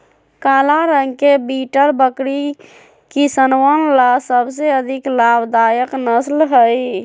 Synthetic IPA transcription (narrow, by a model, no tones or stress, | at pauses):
kalaɾəŋɡkebiʈəɾbəkɽi | kisənwənlasəbs̬eəd̪ʱiklabd̪ajəknəslɦəj